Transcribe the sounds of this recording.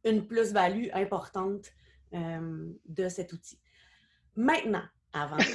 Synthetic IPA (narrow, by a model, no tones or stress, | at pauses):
ynplʏs̬balyʔɛ̃pɔʁt̪ɑ̃t̪ | ømd̪əsɛt̪ut̪i̥ | mɛ̃t̪nɑ̃ | avɑ̃